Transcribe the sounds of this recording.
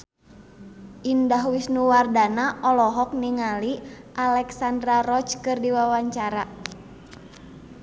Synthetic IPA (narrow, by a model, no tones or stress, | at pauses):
ʔindaɦwisnuwardanaʔɔlɔɦɔk̚niŋaliʔalɛksandɾaɾɔt͡ʃkɨrdiwawaɲt͡ʃaɾa